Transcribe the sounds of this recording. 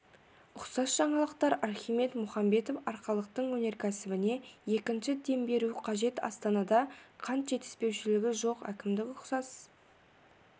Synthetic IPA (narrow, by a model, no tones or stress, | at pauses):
ʊqsɑsʒ̥ɑɴɑlˠəqt̪ɑɾɑɾχime̞t̪mʊχɑmbe̞t̪ofɑɾqɑlˠəq̚t̪əɴwɵne̞ɾkʲʰæsɪbɪne̞je̞kʲɪnʃɪd̪e̞mbe̞ɾuqʰɑʒe̞t̪ɑ̰st̪ɑnɑd̪ɑqʰɑnt̪ʒ̥e̞t̪ɪ̥spe̞wʃɪlɪɡʲɪʒo̞qæ̰kʲɪmd̪ɪkʊqsɑs